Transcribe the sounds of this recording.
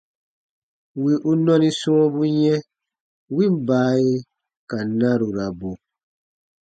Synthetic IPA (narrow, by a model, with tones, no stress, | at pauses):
wi˨ʔu˦nɔ̃˦nĩ˦sɔ̃˦bu˦jɛ̃˦ | wi˦m̩˦baː˨˦e˦ | ka˨nã˦ɾu˨ɾa˨bo˨